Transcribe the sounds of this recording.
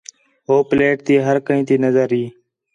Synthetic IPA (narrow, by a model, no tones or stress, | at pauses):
ɦoːpleːʈ̚t̪iːɦəɾkəĩːt̪iːnəzəɾiː